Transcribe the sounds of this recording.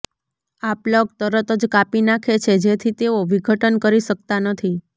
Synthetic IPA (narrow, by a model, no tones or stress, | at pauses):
aplək̚t̪əɾət̪əd͡ʒkapinakʰet͡ʃʰed͡ʒet̪ʰit̪eoʋiɡʱəʈənkəɾiʃək̚t̪anət̪ʰi